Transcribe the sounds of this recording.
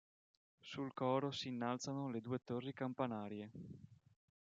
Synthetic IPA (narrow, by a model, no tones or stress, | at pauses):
sulkɔːɾosiːnːalt̪sanoled̪uːet̪orːikampanaːɾje